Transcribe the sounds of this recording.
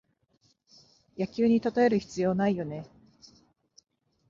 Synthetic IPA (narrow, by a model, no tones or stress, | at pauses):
jakʲɨːɲ̟it̪at̪ae̞ɾɯ̟çi̥t͡sɨjo̞ːnaijo̞ne̞